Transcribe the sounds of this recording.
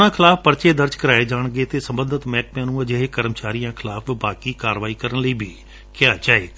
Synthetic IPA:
nãːkʰɪlaːpʰpəɾt͡ʃeːd̪əɾd͡ʒkəɾaːeːd͡ʒaːɳɡeːt̪eːsəmbənd̪ət̪mɛːk̚mjãːnũːəd͡ʒeɦeːkəɾəmt͡ʃaːɾijãːkʰɪlaːpʰbaːkiːkaːɾʋaːiːkəɾənləiːbʱiː | kɪjaːt͡ʃaːeː

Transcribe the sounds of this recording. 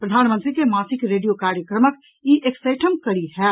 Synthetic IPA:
pɾɐd̪ʱaːnmə̃nt̪ɾikemaːsɪkɾeːɖijokaːɾjəkɾəmək | iʔekseːʈʰəmkɐɽiɦɛː

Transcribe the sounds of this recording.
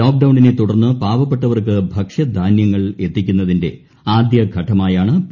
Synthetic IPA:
oːk̚ɖɐwɳɖinet̪uɽɐrnːɨpaːʋɐpːeʈːɐʋɐrkɨbʱɐkʂɐd̪ʱaːnjɐŋːɐɭe̞t̪ːikʲːunːɐðinde̞̰ | aːd̪jɐɡʱɐʈʰːɐmaːjaːɳɨ

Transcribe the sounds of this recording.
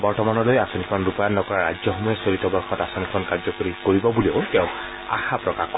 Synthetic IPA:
bɔɹtɔmanɔlojasɔnikʰɔnɹupajanːɔkɔɹaɹad͡ʒzɔxɔmɔjɔsolitɔbɔɹxɔtasɔnikʰɔnkaɹzɔkoɹikoɹibɔbulioʊtɛʊ̃ | a̰xapɹɔkaxk

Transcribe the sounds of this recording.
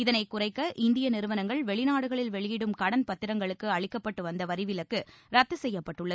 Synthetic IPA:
ɪðɐnɐɪkːʊrɐɪkːɐʔɪnd̪ɪjɐnɪɾɯʋɐnɐŋɡɐɭʋɛɭɪnaːɽɯɣɐɭɪlʋɛɭɪjɪɽɯmkɐɽɐnpɐt̪ːɪɾɐŋɡɐɭɯkːɯɐɭɪkːɐpːɐʈːɯʋɐnd̪ɐʋɐɾɪʋɪlɐkːɯɾɐt̪ːɯsɛjːɐpːɐʈːɯɭːɐð

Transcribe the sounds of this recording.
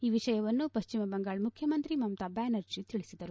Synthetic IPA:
iːʋiʂɐjɐʋɐnːupɐʃt͡ʃimɐbɐŋɡaːɭmukʰjɐmɐnt̪ɾimɐmt̪abaːnɐɾd͡ʒit̪iɭisid̪ɐɾu

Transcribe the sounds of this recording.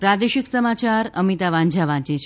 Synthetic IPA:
pɾad̪eʃiksəmat͡ʃaɾəmit̪aʋãɲd͡ʒʱaʋãt͡ʃet͡ʃʰ

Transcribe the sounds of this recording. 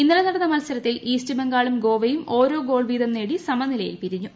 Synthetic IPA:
inːɐlɐnɐɽɐnːɐmɐlɐsɐɾɐt̪ːiliːstɨbeŋɡaːɭumɡo̞ːʋɐjumʔo̞ːɾo̞ːɡo̞ːɭʋiːd̪ʱɐmne̞ːɽisɐmɐnilɐjḭlpiɾiɲːu

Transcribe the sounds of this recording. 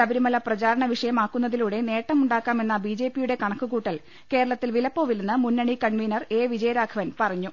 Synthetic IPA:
ɐbɐɾimɐlɐprɐt͡ɕaːɾɐɳɐʋiʂɐjɐmaːkːunːɐðiluɽe̞ne̞ːʈːɐmuɳɖaːkːaːme̞nːɐbid͡ʑe̞ːpːijuɽe̞kɐɳɐkːuɣuːʈːɐl | ke̞ːɾɐɭɐt̪ːilʋilɐpːo̞ːʋilunːɨmunːɐɳikɐɳʋiːnɐre̞ːʋid͡ʑɐjɐɾaːkʰɐʋɐnpɐrɐɲːu

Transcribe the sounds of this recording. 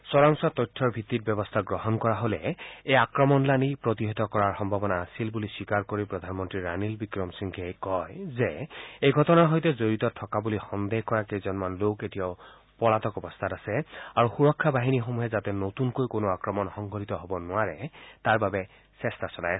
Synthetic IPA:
sɔɹaŋsɔtɔjtʰːɔɹbʱit̪ːit̚bjɔbɔst̪ʰaɡɹɔɦɔnkɔɹaɦolɛejakɹɔmɔnlanipɹɔtiɦetɔkɔɹaɹxɔmbʱabɔnaːsilbuliswikaɹkoɹipɹɔd̪ʱanmɔntɹiɹa̰nilbikɹɔmsiŋkʰejkɔjzɛejɡʱɔtɔnaɦɔjtɛzoɹitɔtʰːɔkabulixɔnd̪ehkɔɹakezɔnmanloketijaʊ | pɔlatɔkɔbɔstʰatasɛaɹuxuɹɔkʰːabaɦinixomuɦɛzatɛnotunkojkonoakɹɔmɔnxɔŋɡʱɔlitɔɦobɔnʊaɹɛtaɹbabɛ | sɛstasɔla̰j

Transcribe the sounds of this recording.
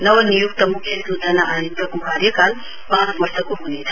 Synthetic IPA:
nɐʋɐnijuk̚t̪ɐmukʰjɐsuːd̪ʱɐnaʔajit̪ɐkukaːɾjɐkaːl | pãːt͡sʋɐɾsɐkuɦonet̪ʰa

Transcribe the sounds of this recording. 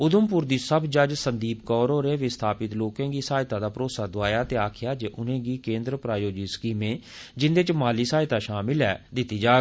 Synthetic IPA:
ʊd̪ʊmpʊɾd̪iːsəbd͡ʒəd͡ʒsənd̪iːpkɔːɾɦoːɾeːʋɪst̪ʰaːpɪt̪loːkɛ̃ːɡiːsaːjt̪ãːd̪aːpɾoːsaːd̪ʊaːjaːt̪eːaːkʰɪjaːd͡ʒeːʔʊnẽːɡiːkẽːnd̪ɾpɾaːjoːd͡ʒiːskiːmẽːd͡ʒɪnd̪eːt͡ʃmaːliːsaːɪt̪aːʃaːmɪlɛːd̪ɪt̪ːiːd͡ʒaːɡ

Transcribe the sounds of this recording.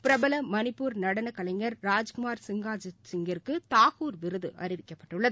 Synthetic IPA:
pɪɾɐbɐlɐmɐnɪpːuːɾnɐɽɐnɐkɐlɐŋɡɐɾɾaːd͡ʒkʊmaːɾsɪŋɡaːd͡ʒsɪŋɡɐɾkːɯt̪aːɣuːɾʋɪɾɯðɯʔɐ̰ɾɪʋɪkːɐpːɐʈːɯɭːɐðɯ

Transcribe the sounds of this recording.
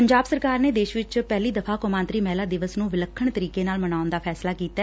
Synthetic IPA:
əɲd͡ʒaːbsəɾkaːɾneːd̪eːʃʋɪt͡ʃpɛːliːd̪əpʰaːkomãːnt̪ɾiːmɛːlaːd̪ɪʋəsnũːʋɪləkʰːəɳt̪əɾiːkeːnaːlmənaːʊnd̪aːpʰɛːslaːkiːt̪aː

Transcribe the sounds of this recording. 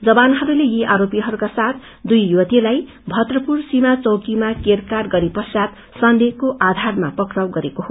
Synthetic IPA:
d͡zʌbanɦʌɾulejiʔaɾopiɦʌɾukasat̪ʰ | d̪ujjuʌt̪ilaj | bʱʌt̪rʌpursimat͡sʌwkimakerkarɡʌɾipʌsat̪ | sʌnd̪ekoʔad̪ʱarmapʌkrawɡʌɾekoɦo

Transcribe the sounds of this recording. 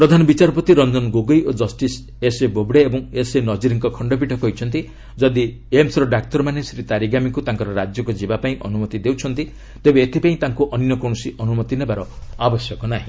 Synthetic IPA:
pɾɔd̪ʱanɔbit͡ʃaɾpɔt̪iɾɔnd͡ʒɔnɡoɡɔjod͡ʒɔsʈis | esebobɽeebɔŋesenɔd͡ʒiɾiŋkɔkʰɔɳɖɔp̬iʈʰɔkɔɦojt͡ʃʰɔnt̪i | d͡ʒɔd̪i | emsɾɔɖak̚t̪ɔɾmanesɾit̪aɾiɡamikut̪aŋkɔɾɔɾad͡ʒjɔkud͡ʒibapaĩʔɔnumɔt̪id̪ewt͡ʃʰɔnt̪i | t̪ebeːt̪ʰipaĩt̪aŋkuʔɔnjɔkɔ̃ɔsiʔɔnumɔt̪inebaɾɔabɔsjɔkɔnaɦĩ

